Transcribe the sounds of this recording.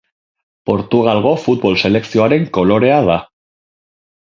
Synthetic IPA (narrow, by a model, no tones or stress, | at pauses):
po̞ɾt̪uɣ̞alɣo̞fut̪̚βo̞lse̞le̞ksio̞aɾe̞ŋko̞lo̞ɾe̞að̞a